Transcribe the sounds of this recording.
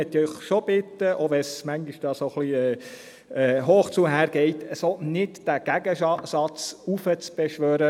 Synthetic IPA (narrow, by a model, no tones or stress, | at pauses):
ɛt̪ːœʏχʃob̥ɪtːəʔoʋɛsmæŋɡiʃd̥ɑːsoχliɛː | ɛːɦoːχt͡suɦæːɾɡ̥ɛɪtəsonɪtd̥æɡ̥æɡəsɑt͡sufət͡sb̥ɛʃʋøːɾə